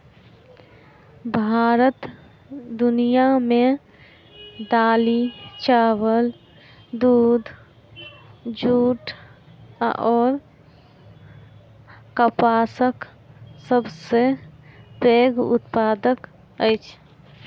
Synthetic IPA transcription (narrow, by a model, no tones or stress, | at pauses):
bʱaːɾət̪ | d̪ʊnijamẽ | d̪aːlit͡ʃaːʋəl | d̪uːd̪ʱ | d͡ʒuːʈ | ɔːɾ | kəpaːsək | səbse | pɾeːɡʊ̰t̪paːd̪ək | əjt͡ʃʰ